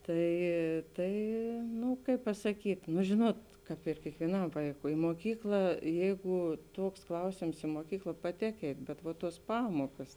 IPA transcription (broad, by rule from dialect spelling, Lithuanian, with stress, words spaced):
ˈtɐɪ ˈtɐɪ ˈnʊ ˈkɐɪp pɐsɐˈkʲiːtʲ nʊ ˈʒʲɪnuɔt ˈkɑːp ɪr kʲiɛkʋʲiɛˈnɐm ˈʋɐɪkʊɪ moːˈkʲiːklˠɐ ˈjɛɪɡʊ ˈtuɔks ˈklˠɐʊsʲeːms ɪ moːˈkʲiːklˠɐ pɐˈtʲeːk ˈɛɪtʲ bʲɛt ʋɐ ˈtuɔs ˈpɑːmuɔkɐs